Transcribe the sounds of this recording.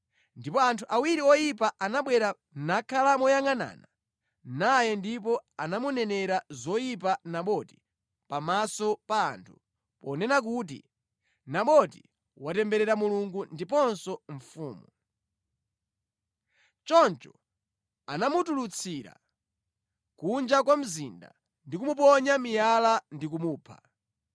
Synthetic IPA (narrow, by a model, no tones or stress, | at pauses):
ndipɔantʰuʔawiɾiɔjipaʔanaɓwɛɾa | nakʰalamɔjaŋana̰ːna | najɛndipɔanamunɛnɛɾazɔjipanaɓɔti̥ | pamasɔpa̰ːntʰu | pɔnɛnak̬ut̬ḭ | naɓɔti | watɛmbɛɾɛɾamuluŋɡundipɔnsɔɱfuːmu | t͡ʃɔnt͡ʃɔ | anamutulut͡sʰiɾa̰ | kund͡ʒakwam̩zinda̰ | ndik̬umup̬ɔɲamijalandik̬umuːpʰa̰